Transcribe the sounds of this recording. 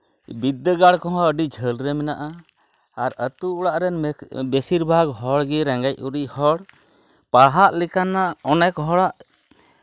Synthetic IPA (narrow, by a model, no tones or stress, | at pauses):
bid̪ːəɡaɽkɔɦɔ̃əɖid͡ʒʱəlɾɛmɛnaʔaː | ɾət̪uuɽaʔɾɛnbɛsiɾbʱaɡɦɔɽɡiɾɛ̃ŋɡac̚uɾiʔhɔɽ | paɦaʔlɛkanːaɔnɛkɦɔɽaʔ